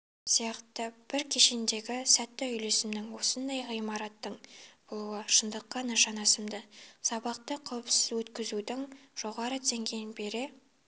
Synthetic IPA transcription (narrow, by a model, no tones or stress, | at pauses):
sijɑqt̪əb̥ɪɾkʲʰe̞ʃend̪e̞ɡʲɪsæt̪ːɪʏjle̞sɪmnɪŋwo̞sənd̪ɑjʁijmɑɾɑt̪ːəɴb̥olˠuwəʃənd̪əqːɑnəʃɑnɑsəmd̪əsɑbɑq̚t̪əqʰɑwəpsɪzwɵt̪kʲɪzud̪ɪŋʒ̥o̞ʁɑɾəd̪ʰeŋɡʲejɪnbe̞ɾɪ